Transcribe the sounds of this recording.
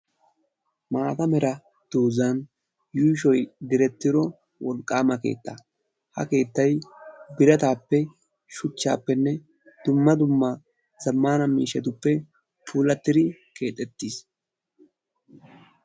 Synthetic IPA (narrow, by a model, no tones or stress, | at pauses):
maːt̪ɐmɛɾɐ | d̪̥uːzɐn | juːʃɔjd̪ɪɾɛt̪ːɪɾɔ | wɔlkʼːaːmɐke̞̰ːt̪ːa̰ | hɐ̰ke̞ːt̪ːɐjbɪɾɐt̪aːpːɛ | ʃʊt͡ʃːa̰ːpːɛnːɛ | d̪̥ʊmːɐd̪ʊmːɐ | zɐmːaːnɐmiːʃɛt̪̬ʊpːɛ | pʰuːlɐt̪ːɪd̪ɪke̞ːt̪ʼːɛt̪ːis